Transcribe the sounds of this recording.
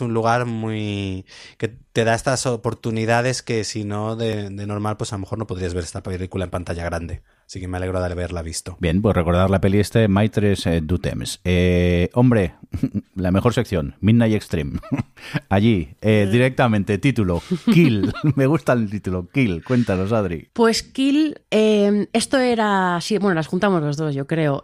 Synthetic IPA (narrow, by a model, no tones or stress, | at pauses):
unluɣaɾmuj | ke̞t̪e̞ðae̞st̪asopo̞ɾt̪uniðaðe̞ske̞sino̞ðe̞ðe̞no̞ɾmalpwe̞salo̞me̞xo̞ɾnopo̞ðɾiazβe̞ɾe̞st̪apelikulaempant̪aʝaɣɾand̪e̞ | asike̞meale̞ɣɾoðβeɾlaβist̪obje̞npwesre̞ko̞ɾð̞aɾlape̞liest̪emajt̪ɾesd̪ut̪ḛmseo̞mbɾe̞ | lame̞xo̞ɾse̞kθjo̞nminnajekst̪ɾim | aʝieðiɾe̞k̚t̪amẽnt̪e̞t̪it̪ulo̞kilme̞ɣ̞ust̪alt̪it̪ulokilkwe̞nt̪ano̞sað̞ɾḭpwe̞skileme̞st̪oe̞ɾasibwe̞nolasxunt̪amozlozðo̞zʝo̞kɾe̞o